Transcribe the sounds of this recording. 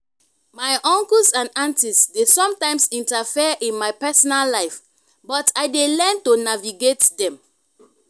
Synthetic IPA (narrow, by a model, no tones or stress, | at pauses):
majʔɔ̃ŋkəlsãnãntisdesɔ̃mtãɪ̃msĩntafiaʔĩnmajpɛsɔnalːaɪf | bɔtʰaɪdelɛntonaviɡetdɛ̃m